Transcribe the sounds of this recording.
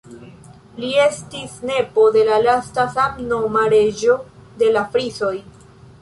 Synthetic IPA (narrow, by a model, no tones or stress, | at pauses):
lie̞stisne̞po̞de̞lalastasamnomaɾe̞d͡ʒo̞de̞lafɾiso̞j